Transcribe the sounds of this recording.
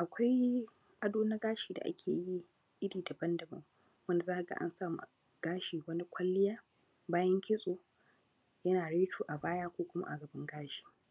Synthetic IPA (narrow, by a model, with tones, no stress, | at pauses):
ʔa˨kʷa˦j | ʔa˨doː˦na˦ɡaː˦ʃiː˨da̰˨ʔa̰˦kʲʰḛː˨ji˦ | ʔɪ˦ɽiː˨dɐ˨bɐ˦ndɐ˨bɐ̰˦ŋ | wɐ˦na˨zaː˦ha˨ɡa̰˨ʔa̰˦nsaː˦˨mṵ˨ | ɡ̥aː˦ʃiː˨wɐ˦na˦kʷʰɐ˦lːɪ˦jaː˦ | baː˦jɐ˦ŋkʲɪ˦sʼoː˨ | jɐ˦naː˨ɽeː˦t͡ʃʰuː˨ʔa˨baː˦jaː˦kʷoː˦kʷʊ˦ma̰˦ʔa˨ɡɐ˨bɪ˦ŋɡaː˦ʃi̥ː˨